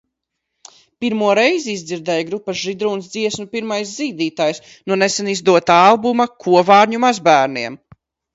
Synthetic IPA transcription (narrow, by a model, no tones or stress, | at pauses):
piɾmuɔɾɛjzizd̪ziɾd̪ɛːjɡɾupːɐʒid̪ɾuːnsd̪ziɛsnupiɾmajsziːd̪iːt̪aːjs | nunesɛnizd̪uɔt̪aalˠbumɐkʰuɔvaːɾɲumazbæːɾniɛm